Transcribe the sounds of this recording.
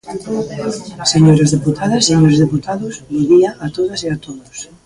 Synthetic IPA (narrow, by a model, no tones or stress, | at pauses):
seɲoɾɐzðeput̪ʰaðɐseɲoɾɪzðeput̪aðʊsd̪oðiɐʔat̪oðɐseat̪oðʊs